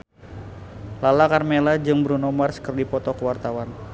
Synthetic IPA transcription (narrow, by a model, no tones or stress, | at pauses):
lalakarmelad͡ʒɨŋbəɾunɔmarsə̥kərdipɔt̪ɔkəwart̪awan